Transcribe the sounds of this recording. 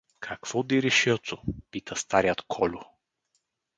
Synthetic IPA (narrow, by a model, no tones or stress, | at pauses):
kʰakv̥ɔd̪iɾɛʃit̪sʊpit̪ʰɐst̪aɾijət̪kʰɔlʲʊ